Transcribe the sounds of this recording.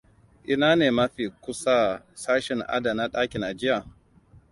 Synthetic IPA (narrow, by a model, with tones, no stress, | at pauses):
ʔɪ˦naː˦neː˨mɐ˦ɸiː˨kʷʊ˦sa˦ | saː˦ʃɛ˨ŋʔa̰˦da˨na˦ɗaː˦kʲɪ˨nʔa˨d͡ʒɪ˦ja˨